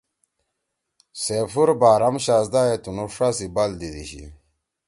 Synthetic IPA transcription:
sefuɾbaːɾɐmɕaːsd̪aːjet̪unuʂasibald̪id̪ḭɕḭ

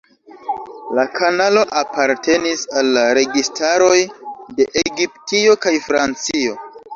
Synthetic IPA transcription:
lakʰanalo̞ʔapaɾtʰe̞nisalːaɾe̞ɡistaɾo̞jde̞ʔeɡiptio̞kajfɾant͡sio̞

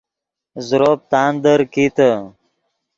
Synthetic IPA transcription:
zʊɾoːp̚t̪aːnd̪əɾkit̪ə

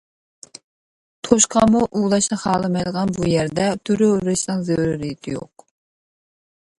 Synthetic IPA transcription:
t̪ʰoʃqʰɑmuʔulˠɑʃnɨχɑːlˠɨmɛjd̪əʁɑnbujæɾd̪ɛt̪ʰyɾyɾɪʃnɨŋzewɾuɾijit̪ʰɪjo̰q

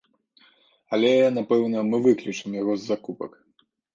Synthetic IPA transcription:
ɐlʲɛnapɛwnɐmɨvɨklʲut͡ʂɨmjaɣɔzːakupɐ̰k

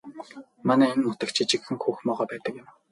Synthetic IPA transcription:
manæːenmʊt̪ə̆kt͡ɕʰit͡ɕɪ̆kxɘ̆ŋxuːxmɔːʁɔːpæːt̪ə̆kjɪ̆m

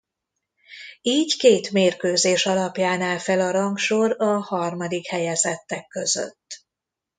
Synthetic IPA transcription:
iːckeːt̪meːrkøːzeːʃɒlɒpjaːnaːlfɛlɒɾɒŋkʃoɾɒhɒrmɒd̪ikhɛjɛzɛt̪ːɛkːø̞zø̰t̪ː

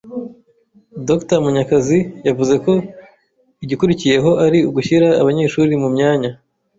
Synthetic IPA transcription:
doktamuɲakazijavuze̞ko̞ | iɟikuɾicije̞ɦo̞ʔaɾiuɡuçiɾaːβaɲe̞ːʃuɾimumɲaːɲa

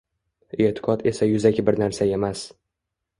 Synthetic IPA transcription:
e̞t̪ʰɪ̥qʰɒt̪ʰe̞sajʊzakʲʰɪbɪɾnaɾsae̞mas

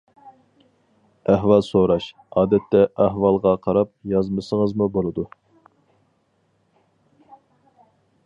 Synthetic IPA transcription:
æɦwɑlˠsoɾɑʃ | ɑːd̪ɛt̪ʰːɛʔæɦwɑlˠʁɑqʰɑɾɑp̚jɑzmɨsəŋəzmubolˠɨd̪u

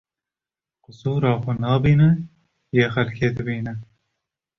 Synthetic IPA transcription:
qʊsuːɾɑːxonɑːbiːnɛ | jeːxɐlkʰeːd̪ɨbiːnɛ

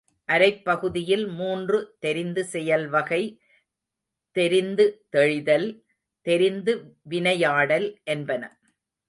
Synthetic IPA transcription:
ʔɐɾɐɪpːɐɣɯðɪjɪlmuːndrɯt̪ɛɾɪnd̪ɯsɛjɐlʋɐɣɐɪ | t̪ɛɾɪnd̪ɯt̪ɛɻɪðɐl | t̪ɛɾɪnd̪ɯʋɪnɐjaːɽɐlʔɛnbɐnɐ

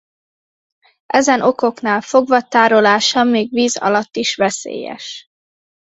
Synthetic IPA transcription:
ʔɛzɛnʔo̞ko̞knaːlfo̞ɡʋɒt̪aːɾo̞laːʃɒmeːɡʋiːzɒ̰lɒt̪ːiʃʋɛsḛːjɛ̰ʃ

